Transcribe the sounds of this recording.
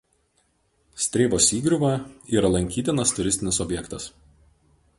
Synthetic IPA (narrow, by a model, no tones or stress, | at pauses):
sʲt̪ʲɾʲeːʋoːsʲiːɡɾʲʊʋɐiːɾɐlˠɐŋʲkʲiːt̪ʲɪnɐst̪ʊɾʲɪsʲt̪ʲɪnʲɪsɔbʲjɛkt̪ɐs